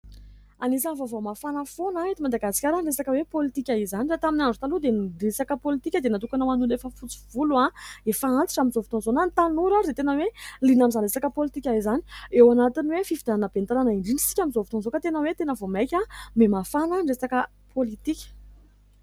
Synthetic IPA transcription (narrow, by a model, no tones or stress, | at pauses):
anis̬anvovomafanəfonaet̪imad̪aɡasi̥kʲaɾaɳɖ͡ʐesakəwepolit̪ikʲaizanirat̪aminaɳɖ͡ʐu̥t̪alud̪enɖ͡ʐesakəpolit̪ikʲəd̪enat̪ukanəmanunefəfut͡si̥vuluaefaant̪i̥ʈ͡ʂamizovu̥t̪onzonanit̪anuɾaid̪et̪enəwelinamizanɳresakəpolit̪ikʲaizani̥ewanat̪iniwefifid̪ananəbent̪aɾanaiɳɖ͡ʐinisi̥kʲaminzovit̪onzokət̪enəwet̪enəvomajkʲamemafanəɳɖ͡ʐesakə | pʰolit̪ikʲə̥